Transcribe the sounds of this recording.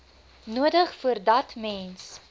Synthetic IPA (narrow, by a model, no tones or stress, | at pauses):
nuədəχfuərdɐtmɛns